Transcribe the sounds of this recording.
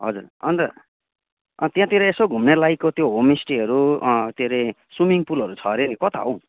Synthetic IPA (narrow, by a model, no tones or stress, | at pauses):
ɦʌd͡zurʌ̰nt̪ʌ | ʌ̰nt̪jãt̪eɾeesoɡʱumnelajkot̪joɦomisʈiɦʌɾut̪eɾe | swumiŋpulʌɾut͡sʰʌɾenikʌt̪ʰa̰ɦow̃